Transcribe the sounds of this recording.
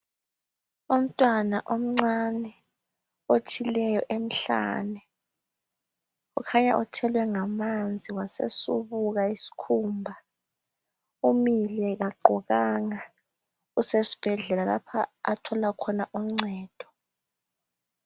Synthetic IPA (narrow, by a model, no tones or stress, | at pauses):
um̩tʼwanaʔom̩ŋ͡ǀanɛ | ot͡ʃʰʼilɛjɔʔem̩ɬa̰nɛ | ṵkʰaɲaʔɔtʰɛlwɛŋamand͡zʱiwasḛsuβuɣaisi̥kʰuːmbʱa | umilɛɣaɡ͡ǃʱɔɣaŋa | usesi̥b̥ʱɛɮɛlala̰pʰa̰a̰tʰɔlakʰɔnaʔum̩ŋ͡ǀɛːd̥ʱɔ̥